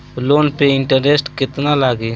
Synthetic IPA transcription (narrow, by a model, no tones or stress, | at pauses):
loːnpeɪɳʈəɾesʈkɪt̪nalaːɡeː